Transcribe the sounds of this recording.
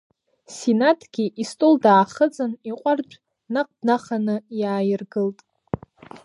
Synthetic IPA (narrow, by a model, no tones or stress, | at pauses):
sinatʰɡ̥ʲiʔistʼoldaːχət͡sʼɨniqʷʼart͡ʃʷʼ | naq̚ʼdnaχanɨjaːjɪrɡɨltʼ